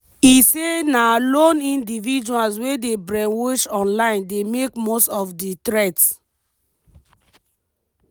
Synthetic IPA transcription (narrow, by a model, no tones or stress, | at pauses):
isenalõnĩndivid͡ʒuals̬wedebɹɛ̃nwɔʃɔ̃nlãɪ̃ndemekmostɔfditɹɛts